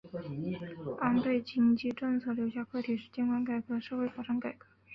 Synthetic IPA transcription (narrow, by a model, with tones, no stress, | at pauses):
a˥nt̪we˥˩ɪt͡ɕi˥ŋt͡ɕi˥˧ʈ͡ʂɤ˥˧ŋt͡sʰɤ˥˩ljo˧˥ʊɕja˥˩kʰɤ˥˩t̪ʰi˨˩ʂɻ̩˥˩t͡ɕjɛ˥nkwa˥nka˨˩ɪkɤ˧˥ʂɤ˥˧xe˥ɪfɑ˨˩ʂɑ˥ŋka˨˩ɪkɤ˧˥